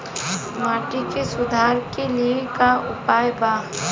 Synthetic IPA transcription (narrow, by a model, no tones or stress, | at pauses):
maːʈikesʊd̪ʱaːɾkeliekaʊpaːjbaːɦ